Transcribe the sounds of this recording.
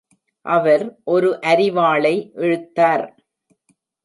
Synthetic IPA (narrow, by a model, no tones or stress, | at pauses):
ʔɐʋɐɾʔɔɾɯʔɐɾɪʋaːɭɐɪʔɛɻɯt̪ːaːɾ